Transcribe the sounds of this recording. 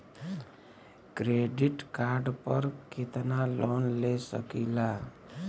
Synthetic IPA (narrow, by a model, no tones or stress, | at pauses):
kɾeɖiʈkaɾɖpʌɾkʰet̪nalonlesʌ̰kila